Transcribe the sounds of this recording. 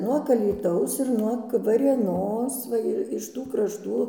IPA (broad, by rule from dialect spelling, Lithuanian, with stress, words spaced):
nuɔk ɐlʲiːˈtɐʊs ɪr nuɔk ʋɐrʲeːˈnoːs ˈʋɐ ɪr ɪʃ ˈtuː krɐʃˈtuː